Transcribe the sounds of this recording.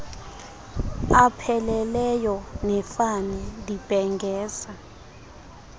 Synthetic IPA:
apʰɛlɛlɛjɔnɛfanɛdib̥ʱɛŋɡɛːza

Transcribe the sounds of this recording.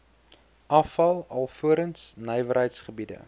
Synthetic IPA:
ʔɐfɐlˠɐlˠfuəɾənsnɛjvəɾɦəjtsχəbidə̰

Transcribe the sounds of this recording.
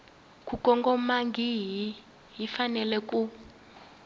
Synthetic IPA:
kʼukʼɔŋɡɔmaŋɡiɦi | ɦifanɛlɛk̬ʼu

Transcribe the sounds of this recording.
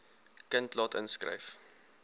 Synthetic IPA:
kəntlɑtə̰nskrə̰jf

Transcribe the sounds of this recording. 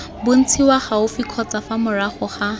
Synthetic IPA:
bʊn̩t͡sʰiwaχaʊfikʰɔt͡safamʊraχʊχa

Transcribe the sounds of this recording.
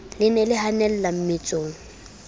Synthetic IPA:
lɪnɛlɪhanɛl̩lam̩mɪt͡sʼoːŋ̩

